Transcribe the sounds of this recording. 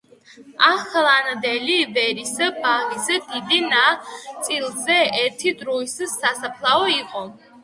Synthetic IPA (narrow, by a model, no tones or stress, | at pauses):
aχlˠand̪ɛlivɛɾisabanizɛd̪id̪inat̪sʼilˠzɛɛɾt̪ʰid̪ɾuissasapʰlˠaɔiqʼɔ